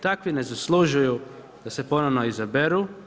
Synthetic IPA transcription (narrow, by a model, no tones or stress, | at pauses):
t̪akʋine̞zaslˠuʒuju | d̪̥ase̞po̞noʋnoizabeɾu